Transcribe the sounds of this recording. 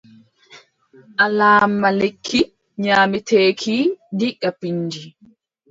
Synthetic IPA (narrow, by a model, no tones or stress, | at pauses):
ʔalaːmːalekʰːi | ɲaːmitʰeːkʰidikːapiɲːd͡ʒi